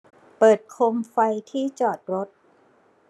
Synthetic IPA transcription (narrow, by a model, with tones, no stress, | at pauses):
pɤː˨˩t̪̚kʰo˧mfa˧jt̪ʰiː˥˩t͡ɕɔː˨˩t̪̚ɾo˦˥t̪̚